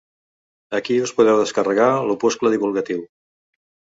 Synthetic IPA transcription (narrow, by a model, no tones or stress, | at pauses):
əkiuspuðɛwðəskərəɣalupuskləðiβulˠɣət̪iw